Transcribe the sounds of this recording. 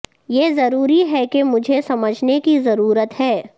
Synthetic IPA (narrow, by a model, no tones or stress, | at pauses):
jeːzɐɾuːɾiɦɛkemʊd͡ʒʱesɐməd͡ʒʱnekizɐɾuːɾət̪hɛː